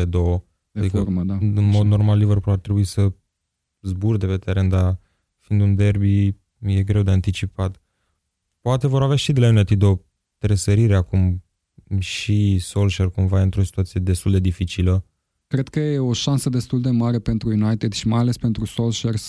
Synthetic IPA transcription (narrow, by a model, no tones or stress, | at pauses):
ed̪owə | ad̪ikərməd̪aɨnmo̞d̪no̞rmalːivərpulat̪ɾe̞buisə | zburd̪e̞pe̞t̪eɾe̞nd̪a | find̪und̪e̞rbi | je̞ɡɾe̞wd̪e̞ant̪it͡ʃipat̪ | poat̪e̞vo̞ɾaveaʃid̪elajunajt̪id̪o̞ | t̪ɾesəɾiɾe̞akum | ʃisolʃerkumvaɨnt̪ɾo̞si̥t̪uat̪sije̞d̪e̞st̪uld̪e̞d̪ifit͡ʃilə | kɾe̞d̪̚kəjeoʃansəd̪e̞st̪uld̪e̞maɾe̞pe̞nt̪ɾujunajt̪ed̪ʃimajale̞spent̪ɾusolʃers